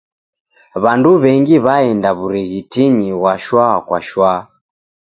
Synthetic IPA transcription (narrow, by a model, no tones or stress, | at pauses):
βanduβɛŋɡiβaɛndaβuɾiɣitiɲiwaʃwakwa̰ʃwa